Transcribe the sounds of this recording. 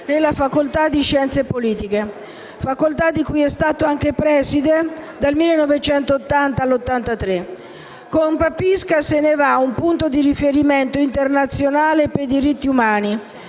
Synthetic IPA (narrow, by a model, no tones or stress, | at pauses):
nelːafakolt̪ad̪ːiʃɛnt̪sepoliːt̪ike | fakːolt̪ad̪ːikujɛst̪aːt̪oaŋkepɾɛːsid̪ed̪almilːenːɔvet͡ʃɛnt̪oːt̪ːant̪alːot̪ːant̪at̪ɾe | kompapiskasenevaumpunt̪od̪irifeɾiment̪oint̪ernat̪sːjonaːlepejd̪iɾit̪ːiumaːni